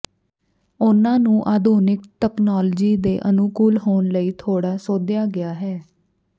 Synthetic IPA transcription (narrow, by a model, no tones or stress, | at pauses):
ʊnãːnũːʔaːd̪ʱuːnɪkt̪ɛːknɔːld͡ʒiːd̪eːʔənukuːlɦoːnləiːt̪ʰoːɽaːsoːd̪jaːɡɪjaːɦɛː